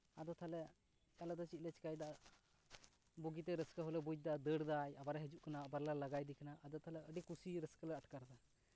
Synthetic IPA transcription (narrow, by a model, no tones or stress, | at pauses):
ad̪ɔt̪ʰalɛ | t͡ʃalad̪ɔt͡ʃit̪̚lɛt͡ʃi̥kajd̪aʔ | buɡit̪ɛɾəskəɦɔlɛbud͡ʒ̚d̪aʔd̪əɽd̪ajabaɾaɦɛd͡ʒuʔkanaːbaɾlalaɡajd̪ikanaʔad̪ɔt̪ʰalɛəɖikusiɾəskəlɛəʈkaɾd̪a